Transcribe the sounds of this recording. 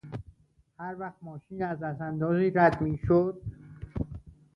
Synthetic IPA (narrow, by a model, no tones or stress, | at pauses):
hæɾvæχt̪̚mɒːʃiːnæzdæsænd̪ɒːziːɾæd̪miːʃod̪̥̚